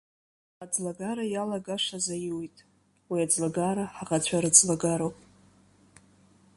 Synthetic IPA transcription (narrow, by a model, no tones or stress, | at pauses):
ad͡zlaɡaɾajalaɡaʂazajiwijtʼ | wiad͡zlaɡaɾaħaʁat͡ɕʷʰaɾɨd͡zlaɡaɾowpʼ